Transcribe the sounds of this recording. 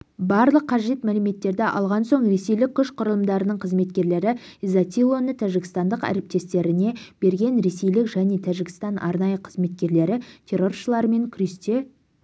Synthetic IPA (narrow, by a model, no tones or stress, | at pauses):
bɑɾlˠəqʰːɑʒe̞t̪mælɪme̞t̪ːe̞ɾd̪ɪʔɑ̰lˠʁɑnso̞ɴɾe̞se̞jlɪk̚ʲʰːʏʃqʰʊɾəlˠəmd̪ɑɾənəɴqʰəzme̞t̪̚kʲe̞ɾle̞ɾɪizat̪ilˠo̞nət̪ʰæʒɪkʲɪst̪ɑnd̪əqæ̰ɾep̚t̪e̞st̪e̞ɾɪne̞b̥e̞ɾɡʲe̞nɾe̞sejlɪkʒæne̞t̪ʰæʒɪɡʲɪst̪ɑnʔɑ̰ɾnɑjəqʰəzme̞t̪̚kʲe̞ɾle̞ɾɪt̪ʲʰe̞ɾo̞rʃəlˠɑɾəme̞ŋkʲʰɾist̪e